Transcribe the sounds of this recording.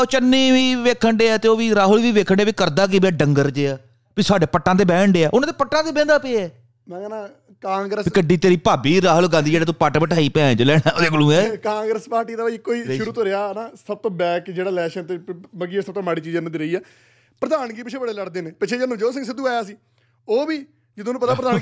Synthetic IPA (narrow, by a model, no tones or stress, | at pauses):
oːt͡ʃənːiːʋiːʋeːkʰːəɳɖeːaːt̪eːoːʋiːɾaːɦʊlʋiːʋeːkʰəɳɖeːbiːkəɾd̪aːkeːbaːɖəŋɡəɾd͡ʒeːaː | piːsaːɖeːpəʈːãːd̪eːbɛ̃ːɳɖeːaːʔʊnãːd̪eːpəʈːãːk̪eːbɛ̃ːnd̪aːpeːɛː | mɛ̃ːkɛnaː | kãːŋɡɾəspːkəɖiːt̪eːɾiːpaːbiːɾaːɦʊlɡãːnd̪iːd͡ʒeːɽaːt̪ũːpaʈpəʈʰaːiːpɛ̃ːd͡ʒəlɛːɽãːoːd̪eːkʊlũːɛːkãːŋɡɾəspaːɾʈiːd̪aːbikːoːiːʃʊɾuːt̪oːɾeaːnaːsəb̚t̪õːbɛːkd͡ʒeːɽaːlɛːʃənt̪eːməɡiːesəb̚t̪õːmaːɽiːt͡ʃiːd͡ʒenəd̪iːɾəiːɛː | pəɾəd̪aːnkiːpɪt͡ʃʰeːbəɽeːləɽd̪eːneːpɪt͡ʃʰeːd͡ʒənəmd͡ʒoːs̬ə̃ŋsɪd̪uːaːjaːsiː | oːbiː | d͡ʒɪd̪õːnũːpət̪aːpəɾd̪aːn